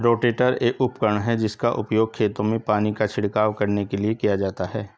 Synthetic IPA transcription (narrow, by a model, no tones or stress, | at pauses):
ɾoːʈeːʈəɾeːʔʊpkəɳ̃ɦɛd͡ʒɪskaʔʊ̰pjoːɡ̚kʰeːt̪õmẽpaːnikat͡ʃʰɪɽkaːwkɐɾnekeliekijad͡ʒaːt̪aɦɛː